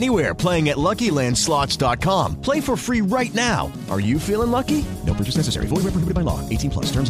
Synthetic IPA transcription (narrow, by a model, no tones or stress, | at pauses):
niwɛɹpʰl̥eɪɪ̃ŋɨtˡlʌkilæ̃nd̥slɑtsd̥ɑt̚kʰɑ̃mpʰl̥eɪfə˞fɹiɹaɪtⁿnaʊ | ʔə̰˞jɨfilˠɪ̃ŋlʌkinoʊɹɜt͡ʃɨsnɛsɨsɛ̰ɹḭfɔlˠɹɛpɹəhɪbɨɾd̚baɪlɔ̰eɪtʰĩnpʰl̥ʌ̰stʰɜ̃˞mz